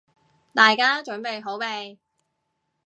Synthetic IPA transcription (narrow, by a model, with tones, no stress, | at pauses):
t̪aː˨jkaː˥t͡ʃɵ˨˥npe˨jɦo˨˥wpe˨˧j